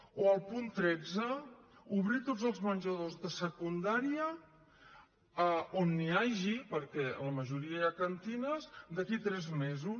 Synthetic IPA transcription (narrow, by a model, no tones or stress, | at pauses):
oəlˠpunt̪ɾɛd͡zəuβɾit̪od͡zzəlˠzmənʲʒəðozðəsəkund̪aɾiə | əonːiaʒipəɾkɛə̰ləməʒuɾiəjakənt̪inəzd̪əkit̪ɾɛzmezu